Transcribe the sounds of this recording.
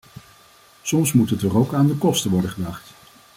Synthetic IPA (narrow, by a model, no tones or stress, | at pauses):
sɔmsmutɦətdɔrowkaːndəkɔstəʋɔɹdəχədɑχt